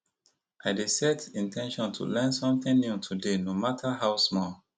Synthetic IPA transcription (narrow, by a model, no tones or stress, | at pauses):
ʔaɪdesɛtĩntʰɛ̃nʃɔ̃ntʰṵlɛ̃nsɔ̃mθɪ̃ŋnjutʰudenomatʰaɦaʊsmɔl